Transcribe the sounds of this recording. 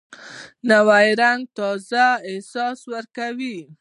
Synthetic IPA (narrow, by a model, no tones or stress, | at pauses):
nawajɾaŋɡ̚t̪ɑzaɪhsɑswəɾkawi